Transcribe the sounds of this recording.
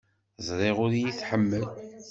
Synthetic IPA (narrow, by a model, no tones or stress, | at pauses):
zˤɾˤeʁʊɾjiθħəmːəl